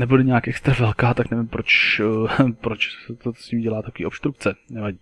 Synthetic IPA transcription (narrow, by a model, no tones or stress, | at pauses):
nɛbudɛɲɛakʔɛkst̪ɾavɛlkaːt̪aknɛvɪmpɾo̞t͡ʃ | pɾot͡ʃsɛt̪o̥sɲiːmɟɛlaːt̪akoviːʔopst̪ɾuk̚t͡sɛnɛvaɟiː